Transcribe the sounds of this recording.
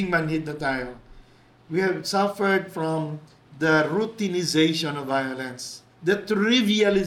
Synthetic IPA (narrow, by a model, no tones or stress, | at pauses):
ŋmãnhɪd̪̚nɔt̪aɪl | wihɛvsʌfəɹd̪fɹɔ̃m | d̪əɹut̪ĩnɪzeɪʃɔ̃nɔvːajɔlɛ̃ns | d̪ət̪ɾivialɪ